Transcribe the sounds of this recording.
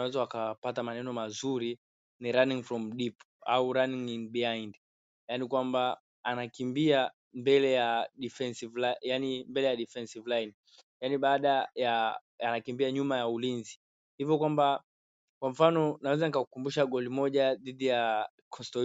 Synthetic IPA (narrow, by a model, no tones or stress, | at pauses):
awɛzawakapatamanɛnɔmazuɾi | niɾaniŋfɾɔm̩ɗip | auɾaniŋinbiand | janikwamba | anakimbia | mbɛlɛjaɗifɛnsivlajanimbɛlɛjaɗifɛnsivlajn | janiɓaːɗaja | anakimbiaɲumajaulinzi | hivjɔkwamba | kwaɱfanɔnawɛzanikakukumbuʃaɡɔlimɔʄaðiɗija | kʰɔstɔ